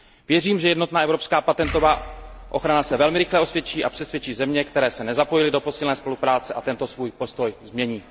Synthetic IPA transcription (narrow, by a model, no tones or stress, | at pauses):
vjɛriːmʒɛjɛdno̞t̪naːʔɛvɾo̞pskaːpat̪ɛnt̪o̞vaːʔo̞̰xɾanasɛvɛlmɪɾɪxlɛʔo̞svjɛt͡ʃiːʔapr̥ɛsvjɛt͡ʃiːzɛmɲɛkt̪ɛɾɛːsɛnɛzapo̞jɪlɪdo̞po̞silnɛːspo̞lupɾaːt͡sɛʔat̪ɛnt̪o̞svuːjpo̞st̪o̞jzmɲɛɲiː